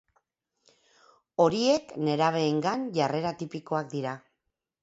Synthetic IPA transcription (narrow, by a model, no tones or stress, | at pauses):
o̞ɾie̞kne̞ɾaβ̞e̞ːŋɡanʝare̞ɾat̪ipiko̞ak̚d̪iɾa